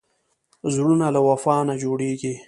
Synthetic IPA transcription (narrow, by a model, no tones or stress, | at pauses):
zɾunalawafɑːnad͡ʒoɽeɡi